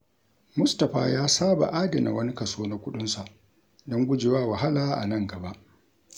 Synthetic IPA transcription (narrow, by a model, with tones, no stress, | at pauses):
mʊ˦stɐ˨ɸa̰ː˦jaː˦saː˦ba̰˨ʔaː˦dɐ˨na̰˨wɐ˦ni˦kɐ˨soː˦na˨kʷʊ˦ɗʊ˦nsa˨ʔ | dɔ˦ŋɡʷʊ˦d͡ʒɪ˨waː˦˨wa˨ɦa˦laː˦ʔa̰˨nɐ˦ŋɡɐ˨ba˦ʔ